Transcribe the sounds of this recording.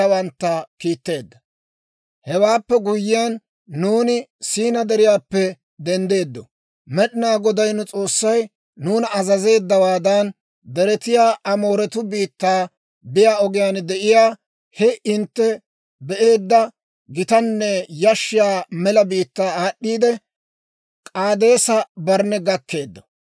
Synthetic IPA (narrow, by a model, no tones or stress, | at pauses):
ɐwɐnt̪ːɐkiːt̪ːe̞ːd̪ːɐ | hɛwaːpːɛɡʊjːɪjaːnː | uːnɪsiːnɐd̪ɛɾɪjaːpːɛ | d̪ɛnd̪e̞ːd̪ːɔ | mɛɗɪnaːɡɔd̪ɐjnʊt͡sʼo̞ːsːɐj | nuːnɐzɐze̞ːd̪ːɐwaːd̪ɐn | d̪ɛɾɛt̪ɪjaːʔɐmo̞ːɾɛt̪ʊbiːt̪ːaː | bɪjaːɔɡɪjaːnd̪ɛʔɪjaː | hɛɪnt̪ːɛ | bɛʔe̞ːd̪ːɐ | ɡɪt̪ɐnːɛjɐʃːɪjaːmɛlɐbiːt̪ːaːɗːiːd̪ɛ | kʼaːd̪e̞ːsɐbɐɾnɛɡɐkːe̞ːd̪ːɔ̥